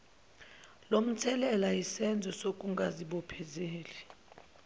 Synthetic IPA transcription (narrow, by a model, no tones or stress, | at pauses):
lom̩tʰɛlɛlajisɛnd͡zʱɔsok̬ʼuŋɡʱaziɓɔpʰɛzeːli